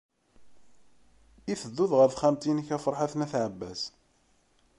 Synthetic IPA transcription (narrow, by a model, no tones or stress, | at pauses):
iθəd̪ːuðʁəɾθχæmt̪inəçæfəɾˤħaθnæθʕəbːæ̰s